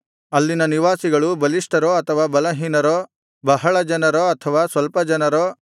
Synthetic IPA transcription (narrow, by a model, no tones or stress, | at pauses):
ɐlːinɐniʋaːsiɡɐɭubɐliʂʈɐɾoɐt̪ʰɐʋaːbɐlɐɦiːnɐɾo | bɐɦɐɭɐd͡ʒɐnɐɾoɐt̪ʰɐʋaːsʋɐlpɐd͡ʒɐnɐɾo